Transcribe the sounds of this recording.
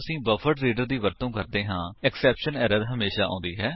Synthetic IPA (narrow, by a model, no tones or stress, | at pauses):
əsĩːbəfʰəʈɾiːɖəɾd̪iːʋəɾt̪õːkəɾd̪eːɦãːɛksɛːpʃənɛːɾəɾɦəmeːʃaːõ̰ːnd̪iːɦɛː